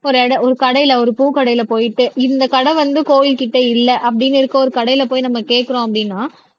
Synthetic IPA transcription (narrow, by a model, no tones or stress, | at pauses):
ɔɾɯɛɽɐɔɾɯkɐɽɐɪjɪlɐɔɾɯpuːkɐɽɐɪjɪlɐpoːjɪʈːɯɪnd̪ɐkɐɽɐ̃ʋɐnd̪ɯkoːjɪlkɪʈːɐɪlːɐʔɐp̬ːɐɽɪnɪɾɯkːɐɔɾɯkɐɽɐɪjɪlɐpoːjnɐmːɐkeːʈkːɪɾõːɐp̬ːɐɽɪnːaː